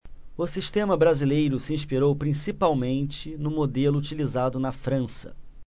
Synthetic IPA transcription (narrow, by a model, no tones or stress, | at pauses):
ʊsiʃt̪ẽmɐbɾazilejɾʊsɪĩʃpiɾowpɾĩsipawmẽnt͡ʃɪnʊmod̪elʊut͡ʃilizad̪ʊnɐfɾɐ̃sɐ̥̰